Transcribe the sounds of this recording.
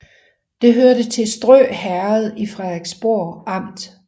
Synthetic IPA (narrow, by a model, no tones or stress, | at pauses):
d̥e̝ɦøɐɾət͡sʰe̝sd̥ʁœ̰ːhæɐð̩ˠifʁaɡ̥sb̥o̝ɐ̰ɑ̈m̰d̥